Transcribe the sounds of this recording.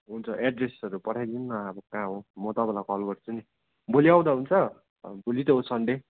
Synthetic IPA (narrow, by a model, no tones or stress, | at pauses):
ɦunt͡sʰʌʔeɖresʌɾupʌʈʰajd̪inːʌabʌkãɦomʌt̪ʌbʌlakʌlbʌrt͡sʰuni | boliaw̃d̪aɦunt͡sʰʌ | bulit̪ʌɦot͡sʰʌɳɖe